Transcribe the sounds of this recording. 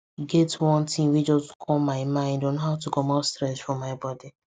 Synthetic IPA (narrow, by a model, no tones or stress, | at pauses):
ɡɛtwɔ̃ntʰĩŋwid͡ʒɔskʰɔlmaɪmãɪ̃ndonoɦaʊtuɡomɔstɹɛsfɹɔ̃mːaɪbɔdi